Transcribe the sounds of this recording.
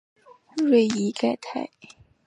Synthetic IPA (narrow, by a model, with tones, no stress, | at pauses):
ɹwe˥˩ɪi˧˥ka˥˩ɪt̪ʰa˥˩ɪ